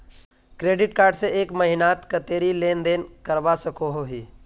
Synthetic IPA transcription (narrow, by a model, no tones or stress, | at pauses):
kɾeːɖɪʈkaːɾɖseʔeːkməɦɪnaːt̪kət̪eːɾileːnd̪eːnkəɾʋasəkoɦoɦiː